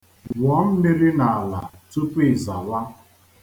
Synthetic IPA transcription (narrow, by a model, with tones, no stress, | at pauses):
wɔ˦m̩˦me˦ɾɪ˦na˨a˨la̰˨tu˦pi˦˨za˨wa˦